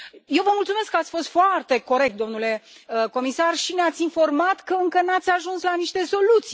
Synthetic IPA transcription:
je̞wvəmult̪sume̞skːəat̪sʲfo̞st̪foart̪e̞ko̞ɾek̚t̪d̪o̞mnule̞əko̞misarʃineat̪sʲinfo̞rmat̪kəɨŋkənat̪sʲaʒunslaniʃt̪e̞so̞lut̪si

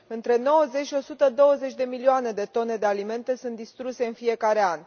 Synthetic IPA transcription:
ɨnt̪ɾe̞no̞wəzet͡ʃʃo̞sut̪əd̪o̞wəze̞t͡ʃʲd̪e̞milioane̞d̪e̞t̪o̞ne̞d̪ealime̞nt̪e̞sunt̪̚d̪ist̪ɾuse̞ɨnfije̞kaɾe̞an

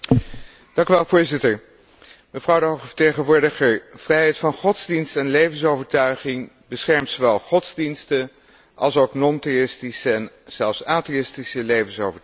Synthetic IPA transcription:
d̥ɑŋkyʋɛlˠvʊːɹzɪtəɹ | məvrɑwdəɦoχəvə̥tejχənʋʊːɹdəχəɹv̥rɛjɦɛjtfɑnχɔdz̥dinstɛnlejvənsowvəɹtœɥχɪŋ | bəsχɛɹmtsoʋɛlˠχɔdzdinstə | ʔɑ̰lˠsowknɔnteɪstisəɛn | z̥ɛlˠfsaːteɪstisəlejvənsowvəɹ

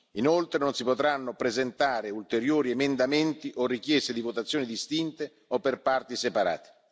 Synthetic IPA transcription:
inolt̪ɾenonsipot̪ɾanːopɾezent̪aːɾeult̪eɾjoːɾiemend̪ament̪iʔorik̟jɛst̪ed̪ivot̪at̪sːjoːnid̪ist̪int̪e | opːerpart̪isepaɾa̰ːt̪e̥

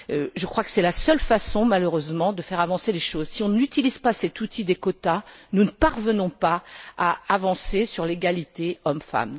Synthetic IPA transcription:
øʒəkχwakə̥sɛlasœlfasɔ̃maløʁøzmɑ̃d̪əfɛʁavɑ̃seleʃozsiɔ̃nyt̪ilizpasɛt̪ut̪ʰid̪ekɔt̪anunəpaʁvənɔ̃paaːvɑ̃sesyʁleɡalit̪eɔmfa̰m

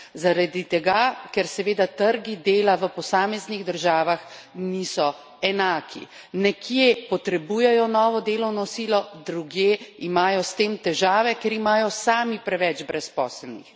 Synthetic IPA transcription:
zaɾad̪it̪ɛɡakɛɾsɛʋeːd̪at̪əɾɡid̪eːlaʋəpɔsaːmɛzniɣd̪əɾʒaːʋax | niːsɔ | ɛnaːkʰḭ | nɛkʰjepɔt̪ɾɛbuːjɛjɔnɔːʋɔd̪eːlɔwnɔsiːlɔd̪ɾuɡjeimaːjɔst̪eːmt̪ɛʒaːʋɛkɛɾimaːjɔsaːmipɾɛʋɛd͡ʒbɾɛspɔ̰ːslnḭx

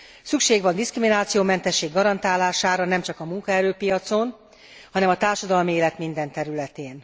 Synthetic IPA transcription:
sykʃeːɡʋɒnd̪iskriminaːt̪sijoːmɛnt̪ɛʃːeːɡːɒɾɒnt̪aːlaːʃaːɾɒnɛmt͡ʃɒkɒmuŋkɒɛɾøːpijɒt̪so̞n | hɒnɛmɒt̪aːrʃɒd̪ɒlmieːlɛt̪mind̪ɛnt̪ɛɾylɛt̪eːn

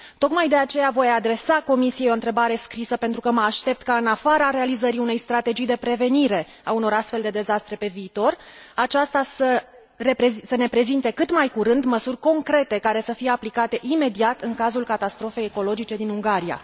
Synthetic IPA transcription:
t̪o̞kmajd̪e̞at͡ʃe̞javo̞jad̪ɾe̞sako̞misijeo̞ɨnt̪ɾe̞baɾe̞skɾisəpe̞nt̪ɾukəməaʃt̪e̞p̚t̪kaɨnafaɾaɾe̞alizəɾiune̞jst̪ɾat̪e̞d͡ʒijd̪e̞pɾe̞ve̞niɾe̞ | auno̞ɾast̪fe̞ld̪e̞d̪e̞zast̪ɾe̞pe̞viːt̪o̞rat͡ʃast̪asə | ɾepesəne̞pɾe̞zint̪e̞kɨt̪majkuɾɨnd̪məsurʲko̞ŋkɾe̞t̪e̞kaɾe̞səfije̞aplikat̪e̞ʔime̞d̪iat̪ɨŋkazulkat̪ast̪ɾo̞fe̞jeko̞lo̞d͡ʒit͡ʃe̞d̪inuŋɡaɾija̰

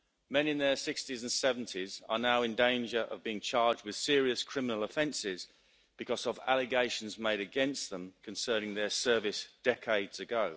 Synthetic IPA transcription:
mɛ̃nɪ̃nðəsɪkstizə̃nsɛvə̃ntʰɪzə̰naʊɪ̃ndẽɪ̃nd͡ʒəɹʔə̰vbiːɪ̃ŋt͡ʃʰɑːd͡ʒd̚wɪð̥sɪəɹiəskʰɹ̥ɪmɪnəl̩ˠəfɛ̃nsɪz | b̥ɪkʰɒzəva̰lɪɡeɪʃə̃nzmeɪɾəɡɛ̃nsðə̃mkʰə̃nsɜ̃ːnɪ̃ŋðəsɜːvɪsd̥ɛkʰeɪdz̥əɡəʊ

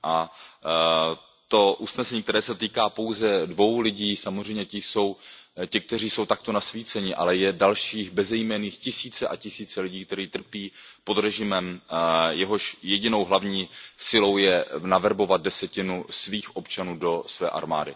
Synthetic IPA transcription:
ʔa | t̪o̞ʔusnɛsɛɲiːkt̪ɛɾɛːsɛt̪iːkaːpo̞wzɛdvo̞wlɪɟiːsamor̝ɛjmɲɛcɪso̞wcɪk̚t̪ɛr̝iːso̞wt̪ak̚t̪o̞nasviːt͡sɛɲɪʔa̰lɛjɛdalʃiːxbɛzɛjmɛniːxcɪsiːt͡sɛʔa̰cɪsiːt͡sɛlɪɟiːkt̪ɛɾiːt̪r̩piːpo̞d̪ɾɛʒɪmɛmjɛɦo̞ʃjɛɟɪno̞wɦlavɲiːsɪlo̞wjɛnavɛɾbo̞vat̪̚dɛsɛcɪnusviːxʔo̞pt͡ʃanuːdo̞svɛ̰ːʔa̰ɾma̰ːdɪ̰

